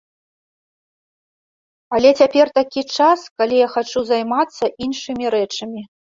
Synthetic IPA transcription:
alʲɛt͡sʲapʲɛrt̪akʲit͡ʂaskalʲijaxat͡ʂuzajmat̪sːɐʔinʂɨmʲiɾɛt͡ʂɐmʲi

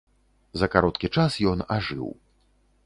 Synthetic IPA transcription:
zɐkaɾɔt̪kʲit͡ʂasjɔnaʐɨ̰w

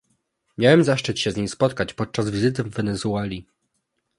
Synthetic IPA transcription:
mʲjawɛmzaʂt͡ʂɘt͡ɕɕɛzʲɲimspɔt̪kat͡ɕpɔt̪̚t͡ʂazvʲizɘt̪̬ɘvːɛnɛzualʲi

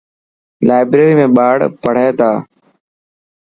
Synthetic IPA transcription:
laːɪbɾeːɾiːmẽːɓaːɽpəɽ̤eːt̪aː

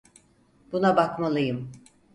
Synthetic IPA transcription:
b̥unabakmalˠɯjɯm

